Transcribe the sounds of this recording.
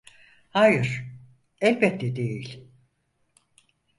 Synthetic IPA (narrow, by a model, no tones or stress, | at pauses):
haːjɯɾ̥ | ɛlʲbɛt̪ʰːɛd̪ejilʲ